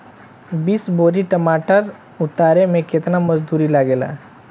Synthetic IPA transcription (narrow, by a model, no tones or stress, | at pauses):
biːsboːɾiʈɐmaːʈəɾ | ʊt̪aːɾemẽkɪt̪namɐzd̪uːɾilaːɡeːla̰ː